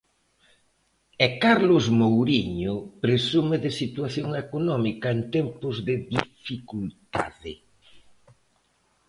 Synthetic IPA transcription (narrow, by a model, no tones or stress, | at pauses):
ɛkaɾlʊzmowɾiɲʊpɾesumeðɪsit̪uaθjoŋekonɔmikɐent̪ɛmpʊzðɪðifikult̪a̰ðɪ